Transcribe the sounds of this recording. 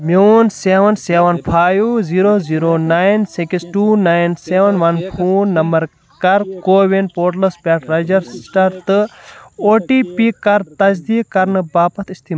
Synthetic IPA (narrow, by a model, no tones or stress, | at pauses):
mownseːʋɐnseːʋɐnpʰaːjziːɾoːziːɾoːnaːjnsikisʈuːnaːjnseːʋɐnʋɐnpʰuːnːɐmbɐɾ | kɐɾkoːʋinpoːʈlɐspeːʈɾɐd͡ʒɐɾsʈɐɾt̪ɨoːʈiːpiːkɐɾt̪ɐzd̪iːkɐɾnɨbaːpɐt̪ʰist̪ima